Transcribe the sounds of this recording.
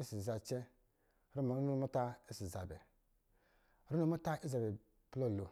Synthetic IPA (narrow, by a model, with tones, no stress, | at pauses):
i˦si˨za˨t͡ʃɛ˦ | ɾu˦m˨u˦n˦mu˦ta˦i˦si˨za˨bɛ̰˨ | ɾu˦nu˦mu˦ta˦i˦za˨bɛ˨ | plo˦˨lo˨